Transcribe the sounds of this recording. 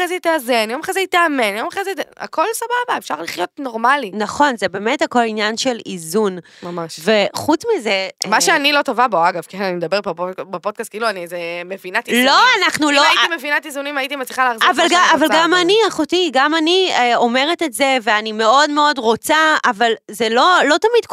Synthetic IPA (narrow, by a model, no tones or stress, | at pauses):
ezetːzenjomaχezeitaːmenjomaχezea̰ko̞lsababaefʃaʁliχjo̞tnoʁmalinaχo̞nzebe̞ːme̞thako̞linjanʃe̞lizun | mamaʃveχut͡smizemaʃeanilo̞tovaboaɡavkenanimed̪abeʁbapobapod̚kast̚kiːluanizemevinat̪illoanaχnuloaitimevinatizunimaitimat͡sliχaleaːχziavalɡaavalɡamaniaχotiɡamanieo̞me̞ʁetetzeve̞anime̞o̞dme̞odʁo̞t͡saavalzelolo̞tamid̥